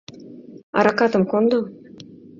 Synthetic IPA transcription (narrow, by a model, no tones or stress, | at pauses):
ɑ̰ɾɑkɑt̪ə̆mkond̪o